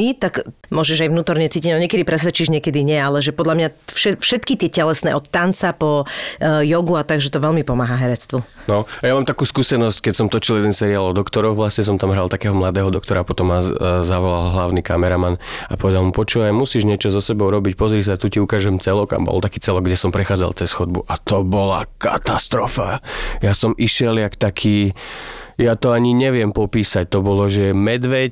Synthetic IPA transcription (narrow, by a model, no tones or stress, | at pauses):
it̪akmʊɔʒɛʒajvnuːt̪ɔɾɲɛt͡siːciɟnɔɲɪɛkɛd̪ipɾɛsʋɛt͡ʃiːʒɲɛkɛd̪iɲɛalɛʒɛpɔd̪ʎamɲaʃɛfʃɛt̪kit̪ɪɛcɛlɛsnɛ̰ːʔɔt̪ːant͡sapɔ | jɔɡuat̪aɡʒɛt̪ɔʋɛʎmipɔmaːɦaɦɛɾɛt͡st̪ʋunɔjamaːmt̪akuːskuːsɛnɔsckɛcsɔmt̪ɔt͡ʃiljɛd̪ɛnsɛɾialɔd̪ɔkt̪ɔɾɔxʋlasɲɛs̬ɔmt̪amɦɾalˠt̪akɛːɦɔmlad̪ɛːɦɔd̪ɔkt̪ɔɾapɔt̪ɔmːazaʋɔlalɦlaʊnikamɛɾamanapɔʋɛd̪alˠmupɔt͡ʃuːʋajmusiːʒɲɛt͡ʃɔzɔsɛbɔʊɾɔbicpɔzɾis̬at̪uciukaːʒɛmt͡sɛlɔka̰mbɔ̰lt̪akiːt͡sɛlɔɡɡɟɛsɔmpɾɛxaːd͡za̰lt͡sɛsxɔd̪̚bṵʔat̪ɔbɔla̰ka̰t̪ast̪ɾɔfa̰jasɔmʔiʃɛljakt̪akʰiː | jat̪ɔaɲiɲɛʋɪɛmpɔpiːsac̚t̪ɔbɔlɔʒɛmɛd̪ʋɛc